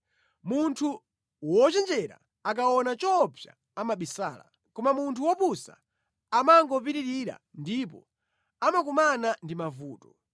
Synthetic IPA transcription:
muntʰu | wɔt͡ʃɛnd͡ʒɛɾa̰ | ak̬awɔnat͡ʃɔpja̰ | amaɓisa̰ːla̰ | kɔmamuntʰuwɔpusa̰ː | maŋɡɔp̬iɾiɾiɾa̰ndip̬ɔ̰ | amakumanandimavuːtɔ

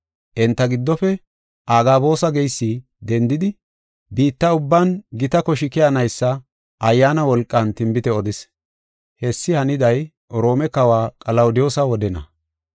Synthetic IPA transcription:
ʔɛnt̪ːɐɡɪd̪ːɔfɛ | ʔaːɡaːbo̞ːsɐɡɛjsːi | d̪ɛnd̪ɪd̪ɪ | biːt̪ːɐʊbːɐnɡɪt̪ɐkɔʃɪkɪjanɐjsːɐ | ʔɐjːaːnɐwɔlkʼːɐnt̪ɪmbɪt̪ɛɔd̪ɪs | hɛsːɪhɐnɪd̪ɐj | ɾo̞ːmɛkɐwaːkʼɐlɐwʊd̪ɪjo̞ːsɐwɔd̪ɛnɐ̰

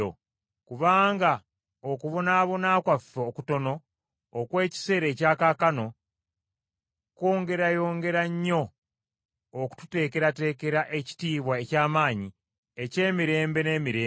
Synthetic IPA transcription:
o̰ | kuβaːŋɡa | okuβo̞naːβo̞naːkwafːekuto̞no̞ː | kwe̞ːci̥se̞ːɾe̞caːkaːkano̞ | ko̞ːŋɡe̞ɾajo̞ːŋɡe̞ɾaɲːo̞ | ku̥tu̥te̞ːke̞ɾate̞ːke̞ɾaʔe̞ci̥tiːβwaecaːmaːɲi | e̞ce̞ːmiɾe̞ːmbe̞ne̞ːmiɾeː

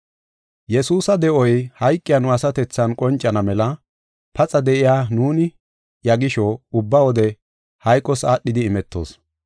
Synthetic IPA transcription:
jɛsuːsɐd̪ɛʔɔjhɐjkʼːɪjanʊɐsɐt̪ɛt͡sːɐnkʼɔnt͡ʃʼːɐnɐmɛlɐ | pɐt͡sʼɐd̪ɛʔɪjaːnuːnɪ | jɐɡɪʃɔʊbːɐwɔd̪ɛ | hɐjkʼːɔsaːɗːɪd̪ɪːmɛt̪ːo̞̰ːs

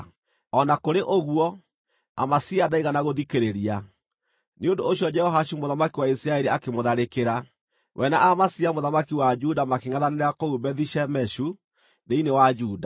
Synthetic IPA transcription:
ɔnakoɾeʔoɣwɔ | a̰masiadaiɣanaɣoðikeɾeɾia | neondoːɕjɔd͡ʒɛhɔɦaʃumoðamakiwaisiɾaɛɾiakemoðaɾekeɾa | wʔɛnaʔamasiamoðamakiwad͡ʒudamakeŋaðaneɾeakoubɛðiʃɛmɛʃu | ðeinewad͡ʒuːda

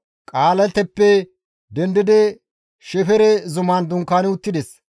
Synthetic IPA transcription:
kʼaːlɐnt̪ɛpːɛ | d̪ɛnd̪ɪd̪ɛ | ʃɛfɛɾɛzʊmaːnd̪ʊŋkːaːnʊt̪ːɪd̪ɛs

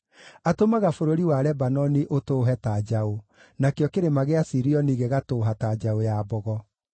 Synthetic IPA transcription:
atomaɣafoɾoɾiwaɾɛbanɔniʔotoːɦɛtad͡ʒao | nakjɔkeɾemaɣeasiɾiɔniɣɛɣatoːɦatad͡ʒaojaːbɔɣɔ

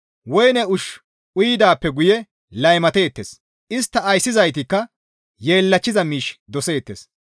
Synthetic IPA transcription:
wɔjnɛʊʃ | ʔʊjɪd̪aːpːɛɡʊjɛ | lɐjmɐt̪e̞ːt̪ːeːs | ʔɪst̪ːɐːjsːɪzɐjt̪ɪkːɐ | jeːlːɐt͡ʃːɪzɐmiːʃd̪ɔse̞ːt̪ːḛs

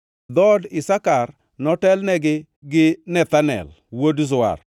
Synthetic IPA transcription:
d̪ɔdɪsakar | nɔtɛlnɛɡɪ | ɡɪnɛt̪anɛ̰l | wodzʊa̰r

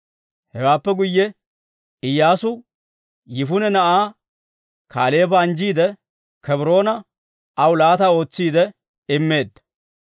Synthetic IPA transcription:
hɛwaːpːɛɡʊjːɛ | ɪjːaːsʊ | jɪfʊnɛnɐʔaː | kʰaːle̞ːbɐːnd͡ʒiːd̪ɛ | kɛbɾo̞ːnɐ | ɐwʊlaːt̪ɐo̞ːt͡sːiːd̪ɛ | ɪmːe̞ːd̪ːɐ̥

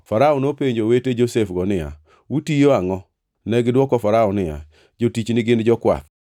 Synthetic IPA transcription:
faɾaɔnopeɲd͡ʒoweted͡ʒosefɡɔnɪja̰ | wutijoaŋɔ | nɛɡɪdwɔkɔfaɾaɔnɪja̰ | d͡ʒotit͡ʃnɪɡɪnd͡ʒɔkwa̰t̪

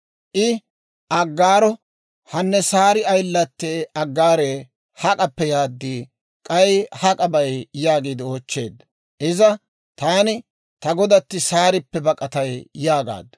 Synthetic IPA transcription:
ʔɪ | ʔɐɡːaːɾɔ | hɐnːɛsaːɾɪɐjlːɐt̪ːeːɐɡːaːɾeː | hɐkʼɐpːɛjaːd̪ːiː | kʼɐjhɐkʼɐbɐjjaːɡiːd̪ɪoːt͡ʃːe̞ːd̪ːɐ | ʔɪzɐ | t̪aːnɪ | t̪ɐɡɔd̪ɐt̪ːɪsaːɾɪpːɛbɐkʼːɐt̪ɐjjaːɡa̰ːd̪ːɐ̥

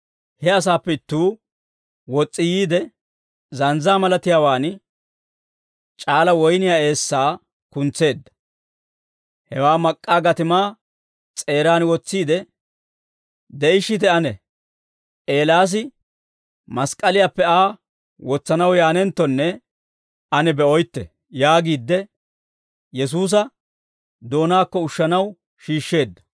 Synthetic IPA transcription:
hɛɐs̬aːpːɛɪt̪ːuː | wɔt͡sʼːɪjiːd̪ɛ | zɐnzaːmɐlɐt̪ɪjaːwaːn | t͡ʃʼaːlɐwɔjnɪjaːe̞ːsːaː | kʊnt͡sːe̞ːd̪ːɐ̥ | hɛwaːmɐkʼːaːɡɐt̪ɪmaː | t͡sʼe̞ːɾaːnwɔt͡sːiːd̪ɛ | d̪ɛɪʃːɪt̪ɛɐnɛ | e̞ːlaːs̬ɪ | mɐskʼːɐlɪjaːpːɛaː | wɔt͡sːɐnɐwjaːnɛnt̪ːɔnːɛ | ɐnɛbɛɔjt̪ːɛ | jaːɡiːd̪ːɛ | jɛs̬uːs̬ɐ | d̪o̞ːnaːkːɔʊʃːɐnɐw | ʃiːʃːe̞ːd̪ːɐ̥

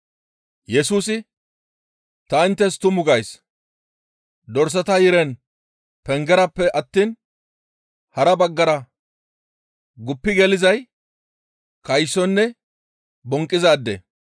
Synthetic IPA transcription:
jɛsuːsɪ | t̪ɐɪnt̪ːɛst̪ʊmʊɡɐjs | d̪ɔɾs̬ɐt̪ɐjɪɾɛn | pɛŋɡɛɾɐpːɛʔɐt̪ːiːn | hɐɾɐbɐɡːɐɾɐ | ɡʊpːɪɡɛlɪzɐj | kɐjsːɔnːɛ | bɔŋkʼːɪzaːd̪ːɛ̰

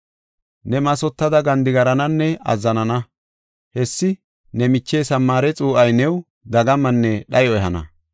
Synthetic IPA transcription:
nɛmɐsɔt̪ːɐd̪ɐɡɐnd̪ɪɡɐɾɐnɐnːɛɐ̰zːɐnɐnɐ | hɛsːɪ | nɛmɪt͡ʃːeːsɐmːaːɾɛt͡sʼuːʔɐjnɛw | d̪ɐɡɐmɐnːɛɗɐjɔɛɦhɐnɐ̰

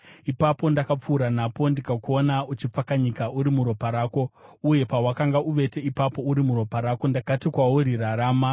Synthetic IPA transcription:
ipapo̞ndakap͡fuːɾanapo̞ndikakuo̞naut͡ʃip͡fakaɲikaʔuɾimuɾo̞paɾaːko̞uje̞pawakaŋɡaʔuʋe̞te̞ipapo̞uɾimuɾo̞paɾaːko̞ndakatikwawoɾiraɾaːma

